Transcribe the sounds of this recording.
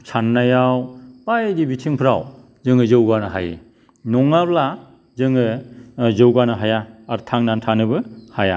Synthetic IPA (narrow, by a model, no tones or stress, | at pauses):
sʰanːajawbajdibitʰiŋpʰɯɾa̰w | zɯŋɯzɯwɡanɯɦa̰jɯ̰ | nɔŋabla | zɯŋɯzɯwɡanɯɦajaːɾtʰaŋnantʰanɯbɯhaja̰